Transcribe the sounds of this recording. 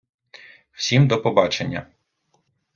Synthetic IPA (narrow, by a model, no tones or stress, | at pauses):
w̥sʲimd̪ɔpɔbɑt͡ʃenʲːɐ̰